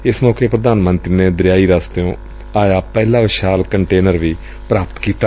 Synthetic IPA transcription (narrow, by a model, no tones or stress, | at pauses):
ɪsmɔːkeːpɾəd̪aːnmənt̪ɾiːneːd̪ɾjaːiːɾaːst̪jõː | aːjaːpɛːlãːʋɪʃaːlkəɳʈeːnəɾʋiː | pɾaːpət̪kiːt̪aː